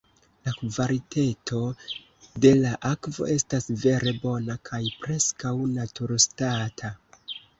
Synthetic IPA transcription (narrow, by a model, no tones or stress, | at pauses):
lakvaɾitetʰo̞ | de̞laʔakvo̞̰e̞stasve̞ɾe̞bo̞nakʰajpɾe̞skawnatuɾstatʰa